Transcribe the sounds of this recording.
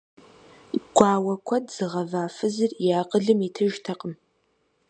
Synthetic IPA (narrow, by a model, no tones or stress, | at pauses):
ɡ̥ʷɑːwɐkʷʰɔdz̥ɨʁɐvaːfɨzɨrjaːqʼəɮɨmitʰɨʒtʰɐqʼəm